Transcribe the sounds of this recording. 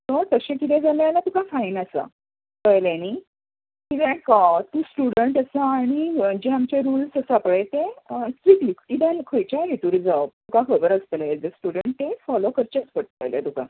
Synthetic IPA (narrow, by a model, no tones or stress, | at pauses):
t̪əɾt̪əɕẽkit̪ʰɛ̃d͡zaljalat̪ukafainəsa̰ | kəjlani | kit̪ɛkat̪uːsʈuɽəɳʈəsaːɽ̃id͡ʑeamt͡ɕeɾuːlsəsapɭet̪ẽsʈ̪ɾiklikkit̪ɛlkʰəjt͡ɕaɦet̪uɾid͡zat̪ukakʰəbəɾəst̪əlaed͡zəsʈuɽəɳʈ̪̚ːefɔlokəɾt͡ɕət͡spəʈ̚t̪əjlja̰t̪uka̰